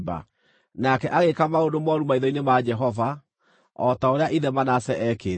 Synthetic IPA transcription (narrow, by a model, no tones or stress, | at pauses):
ba̰ | nakɛʔaɣekamaodomɔɾumaiðɔinemad͡ʒɛɦɔva | ɔtaoɾeaʔiðɛmanasɛʔɛke